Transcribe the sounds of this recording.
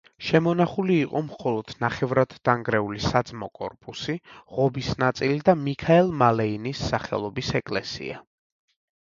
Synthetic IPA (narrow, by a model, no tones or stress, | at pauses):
ʃɛmɔnaχuliːqʼɔmχɔlˠɔd̪̥naχɛvɾad̪̥ːaŋɡɾɛulisad̪zmɔ̰kʼɔ̰ɾpʼusiʁɔbisnat̪sʼilid̪amikʰaɛlˠmalɛinisːaχɛ̰lˠɔbisɛkʼlɛsḭa